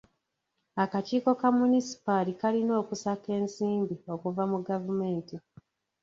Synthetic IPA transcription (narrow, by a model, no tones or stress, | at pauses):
akaciːko̞kamunisi̥palikalino̞ːkusake̞ːnsiːmbio̞kuvamuɡavume̞ːnti